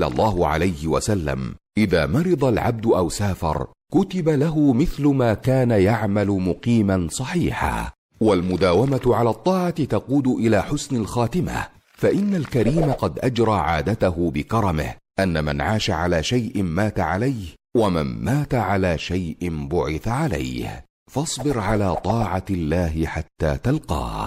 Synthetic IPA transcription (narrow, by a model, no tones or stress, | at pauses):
ɑ̰lˤːɑːɦʊʕa̰lajhɪwa̰salːa̰mʔɪðaːmɑɾɨd̪ˤɑlʕa̰b̚d̪ʊʔawsaːfɑ̰ɾˤ | kʊt̪ɪbalaɦʊmɪθlʊmaːkaːnajaʕmalʊmʊqiːmansˤɑħiːħa̰ː | walmʊd̪aːwamat̪ʕalaːt̪ˤːɑːʕɑt̪ɪt̪ɑquːd̪ʊʔɪlaːħʊsnalxaːt̪ɪma̰ | faʔɪnːalkaɾiːmaqɑd̪ʔad͡ʒɾˤɑːʕaːd̪at̪ahʊbɪkɑɾˤɑmɪ̰hʔanːama̰nʕaːʃaʕalaːʃajʔɪmaːt̪aʕalajhwama̰nmaːt̪aʕalaːʃajʔɪnbʊʕɪθaʕala̰jh | fɑsˤbɪɾʕalaːt̪ˤɑːʕɑlːaːɦɪħat̪ːa̰ːt̪alqɑ̰ː